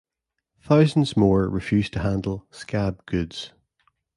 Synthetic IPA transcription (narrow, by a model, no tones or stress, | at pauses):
θaʊzə̃nzmɔɹɹɪfjʉz̥tʰəhãndˡl̩ˠskab̚ɡ̥ʉdz̥